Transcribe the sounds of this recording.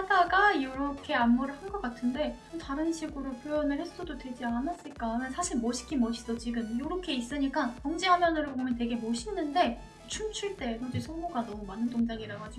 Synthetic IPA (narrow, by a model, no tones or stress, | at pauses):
sadaɡajʌɾʌkʰe̞amːuɾɯɭhanɡʌk͈atʰɯnde̞ | taɾɯnɕʰiɡɯɾopʰjojʌnɯɭhe̞s͈ododwe̞d͡ʑianas͈ɯɭk͈amensʰaɕʰiɭmʌɕʰi̥kʰimʌɕʰi̥dʌt͡ɕiɡɯmjoɾʌkʰe̞is͈ɯɲik͈atʌŋd͡ʑiɦamjʌnɯɾɯɭpomjʌnte̞ɡe̞moɕʰinːɯnde̞ | t͡ɕʰumt͡ɕʰuɭt͈e̞tʰʌd͡ʑisʰʌɡoɡanʌmumanɯndoŋd͡ʑaɡiɾaɡad͡ʑi